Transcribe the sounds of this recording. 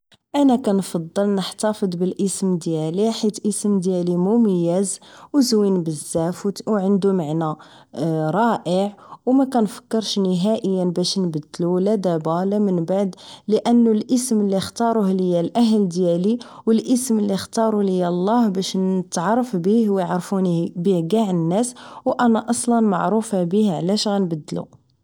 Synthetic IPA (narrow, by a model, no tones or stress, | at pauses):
ʔænækænfɑd̪ˤːəlnəħt̪ɑfəd̪ˤbəlʔəsmd̪jæliħit̪ʔəsmd̪jælimuməjːæzwzwinbəzːæfwwʕənd̪umaʕnæ | ɾˤɑʔəʕwmækænfə̥kːəɾʃnəɦæʔəjːənbæʃnbəd̪ːlulæd̪æbælæmənbaʕd̪ləʔənːulʔəsməlːixt̪ɑɾˤuhləjːælʔæɦəld̪jæliwəlʔəsməlːixt̪ɑɾˤuləjːælˤːɑhbæʃnət̪ʕɑrˤːɑfbihwjʕɾfunibihɡæʕnːæswʔænæʔɑsˤlɑnmɑʕɾufabihʕlæʃɣænbəd̪ːlṵ